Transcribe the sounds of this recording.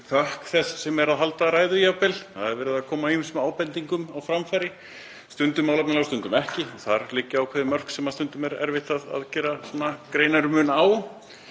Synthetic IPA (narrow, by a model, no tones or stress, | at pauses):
θʰahkθɛssɛmɛɾaðɦalt̪aɾaːjðʏjapɛlθaðɛɾvɛːɾɪðaðkʰɔːmaismaːwpɛnt̪iŋkʏmawfɾamfajɾɪ | st̪ʏnt̪ʏmːawlapnalast̪ʏnt̪ʏmɛhcɪɔθaɾlɪcːɪawkʰɛðɪmœr̥ksɛmast̪ʏnt̪ʏmɛɾɛ̰ɾvɪht̪aða̰ðcɛːɾasɔːnːakɾeːjnaɾʏmʏnaw